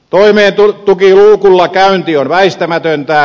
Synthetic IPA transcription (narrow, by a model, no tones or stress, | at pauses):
t̪oimeːnt̪ut̪ukiluːkulːɑkæynt̪ionʋæist̪æmæt̪ønt̪æː